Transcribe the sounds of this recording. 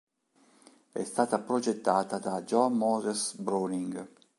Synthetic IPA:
ɛ̰st̪aːt̪apɾod͡ʒɛt̪ːaːt̪ad̪ad͡ʒɔmːɔːzesbɾoniŋɡ

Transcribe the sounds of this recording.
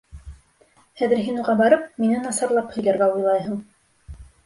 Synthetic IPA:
hæðɘ̆ɾɦinuʁɑbɑɾɤpminɘnɑsɑɾlˠɑphɵ̆jlæɾɡæujlˠɑjɦɤ̆ɴ

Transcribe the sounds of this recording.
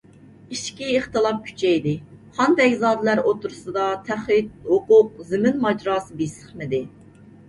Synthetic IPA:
iʃkʲiːχt̪ɨlˠɑp̚kʲʰy̥t͡ʃʰɛjd̪ɪχɑnd̪ɛkʲzɑːd̪ɪlæɾot̪ʰuɾʊsɨd̪ɑt̪ʰæχɪt̪̚hʊqʊq̚zɪmɪnmɑd͡ʒɾɑːsɨbisə̥χmɪd̪ɪ

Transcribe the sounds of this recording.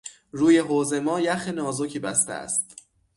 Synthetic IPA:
ɾuːje̞ɦoːze̞mɒːjæxenɒːzocʰiːbæst̪ḛæ̰st̪̚

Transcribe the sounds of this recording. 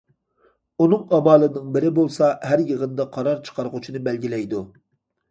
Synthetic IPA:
unɨŋɑmɑːlˠɨnɨŋbɪɾɪbolˠsɑɦæɾjəʁənd̪ɑqʰɑɾɑɾt͡ʃʰə̥qʰɑɾʁʊt͡ʃʰinɨbɛlɡʲilɛjd̪u

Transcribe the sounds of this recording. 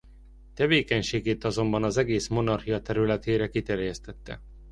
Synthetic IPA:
t̪ɛveːkɛɲʃeːɡeːt̪ɒzo̞mbɒnɒzɛɡeːsmo̞nɒrhijɒt̪ɛɾylɛt̪eːɾɛkit̪ɛrjɛst̪ɛt̪ːɛ̰

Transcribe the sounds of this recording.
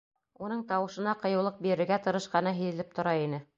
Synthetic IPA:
unɤɴt̪ɑwɤ̆ʃɤ̆nɑqɤ̆jɤ̆wlˠɤq̚biɾɘ̆ɾɡæt̪ɤ̆ɾɤ̆ʃqɑnɤɦɘ̆ðɘ̆lɘp̚t̪ŏɾɑinɘ

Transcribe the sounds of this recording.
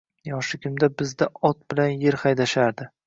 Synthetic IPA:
jɒʃɪkʲʰʊmd̪abɪzd̪aɒt̪̚bɪlanjeɾχajd̪aʃaɾd̪ɪ

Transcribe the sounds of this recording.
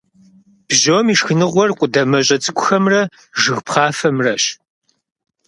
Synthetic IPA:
b̥ʒoːmiːʂxɨnɨʁʷɔrqʷʼʊdɐmɐɕʼɐt͡sʼɨkʷʼʊxɐmrɐ | ʒɨɣpχɑːfɐmrɐɕ

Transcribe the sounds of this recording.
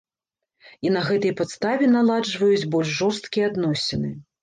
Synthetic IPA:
inɐɣɛt̪ɐjpat̪st̪avʲɛnalˠad͡ʐvɐjut͡sʲbɔlʲʂʐɔrst̪kʲijɛad̪nɔsʲɛnɨ

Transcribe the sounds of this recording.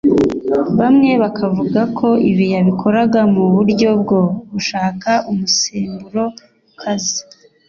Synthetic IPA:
βamŋe̞βakʰavuɡakʰo̞iβijaβikʰo̞ɾaɡamuβuɾɟo̞b̚ɡo̞βuʃaːkaʔumuseːmbuɾo̞ | ukʰazi

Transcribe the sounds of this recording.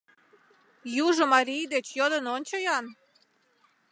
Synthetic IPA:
juʒə̆mɑɾʲijd̪et͡ɕjod̪ənonʲt͡ɕəjɑn

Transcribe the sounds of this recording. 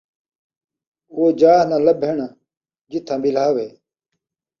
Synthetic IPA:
koːd͡ʒaːɦnãːləbʱeɳa | d͡ʒɪt̪ʰãːɓɪl̤aːʋeː

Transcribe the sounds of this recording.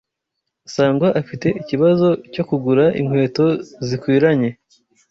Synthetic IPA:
saːŋɡwaʔafite̞ʔiciβazo̞co̞kuɡuɾaʔḭŋ̥hwe̞ːto̞zikwiːɾaɲe̞

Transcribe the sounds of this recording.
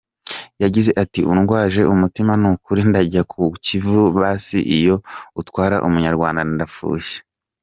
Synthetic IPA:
jaɟize̞ʔatiʔunɡwaːʒe̞ʔumutimanuːkuɾindaɟakʰucivuβaːsḭʔijo̞utwaːɾa̰ʔumuɲaɾɡwaːndanindafṵːʃe̥

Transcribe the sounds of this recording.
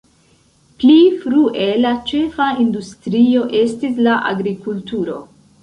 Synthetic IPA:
plifɾuʔe̞lat͡ʃe̞faindustɾio̞ʔe̞stislaʔa̰ɡɾikultuɾo̞

